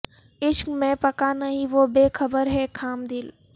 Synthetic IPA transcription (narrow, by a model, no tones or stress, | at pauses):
ɪʃkmẽpɐkanɐɦĩʋobeːxʰəbəɾɦɛkʰaːmd̪ɪːl